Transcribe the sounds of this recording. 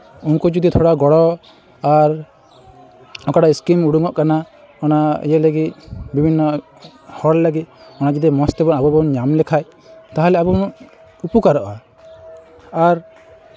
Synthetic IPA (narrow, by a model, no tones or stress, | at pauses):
unkud͡ʒɔd̪it̪ʰɔɽaɡɔɽɔ | aɾ | ɔkaɽaiskimuɽuŋɔʔkana | ɔna̰jɛleɡit̪̚bibʱinːɔ | hɔɽlaɡit̪̚ɔnad͡ʒid̪imɔst̪ɛbɔnabɔbɔnɲamlɛkʰaj | t̪aɦalɛabɔn | upukaɾɔʔa | aɾ